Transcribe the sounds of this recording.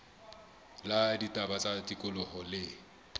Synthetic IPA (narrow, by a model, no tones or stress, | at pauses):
laditʼabat͡sʼatʼikʼʊlɔhɔlɪ